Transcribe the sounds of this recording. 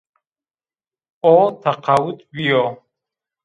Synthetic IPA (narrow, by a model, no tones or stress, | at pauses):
ɔt̪ʰaqʰawut̪bijɔ